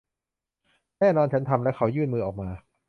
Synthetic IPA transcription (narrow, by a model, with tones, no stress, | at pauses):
nɛː˥˩nɔː˧nt͡ɕʰa˦˥nt̪ʰa˧mlɛ˦˥kʰa˦˥wjɯː˥˩nmɯː˧ʔɔː˨˩k̚maː˧